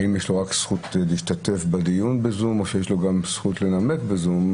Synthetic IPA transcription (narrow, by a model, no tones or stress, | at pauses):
imjeʃloʁaksχutliːʃtate̞fbad̪ijunbezumoʃejeʃloɡamsχutle̞name̞kbezum